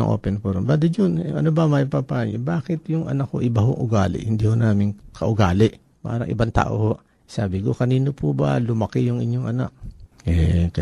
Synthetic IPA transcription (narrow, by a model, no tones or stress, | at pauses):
ŋʔo̰ːpɛnpːɾmbaːd̪ɪd͡ʒonʔɐ̰nobɐmɐjpɐpaːɲbaːkɪt̪jʊŋʔɐ̰nɐkːo̰ʔɪbɐɦoŋʔʊɡaːlɪ̰ʔhɪnd̪iːhonaːmɪŋkʰɐʔʊɡaːlɪʔ | pa̰ːɾɐŋʔɪ̰bant̪a̰ːʔo̰hoʔ | saːbɪkokɐniːnopʰʊbɐ̰lʊmɐkɪjʊŋʔɪɲːoŋʔɐna̰k̚ɛkɐ